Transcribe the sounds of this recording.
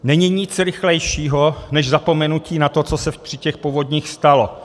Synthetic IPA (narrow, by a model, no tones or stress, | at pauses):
nɛɲiɲɪt͡sɾɪxlɛjʃiːɦonɛʒzapo̞mɛnuciːnat̪o̞t͡sosɛpr̝̥ɪcɛxpovodɲiːxst̪alo